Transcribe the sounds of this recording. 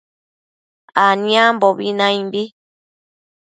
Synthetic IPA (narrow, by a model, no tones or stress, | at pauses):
anĩambɔbinãjimbi